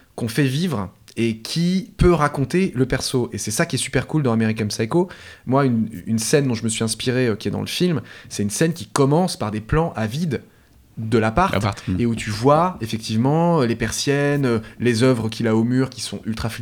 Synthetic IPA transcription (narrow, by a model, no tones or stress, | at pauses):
kɔ̃fɛvivʁekʲʰipøʁakɔ̃t̪eləpɛʁsoʔesɛsakʲiɛsy̥pɛʁkuld̪ɑ̃ameʁikɛmsajkomwaynynsɛnd̪ɔ̃ʒəməsɥizɛ̃spiʁeøkʲiɛd̪ɑ̰̃ləfilmsɛt̪ynsɛnkʲikɔmɑ̃spaʁd̪eplɑ̃ʔavid̪ | d̪əlapaʁt̪t̪eut̪ʰyvwaefɛk̚t̪ʰivmɑ̃ølepɛʁsjɛnølezœvʁəkʲʰilaomyːʁkʲi̥sɔ̰̃ylt̪χaf